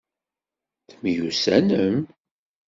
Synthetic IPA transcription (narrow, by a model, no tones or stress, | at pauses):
θmjusæ̰nəm